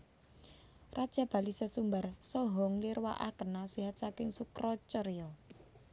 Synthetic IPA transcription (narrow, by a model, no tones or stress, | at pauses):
rad̥ʒ̥a̤b̥a̤lisasumbarsɔɦɔŋliɾwa̰ʔa̰kənasiɦat̪̚sakɪŋsukɾɔt͡ʃəɾjɔ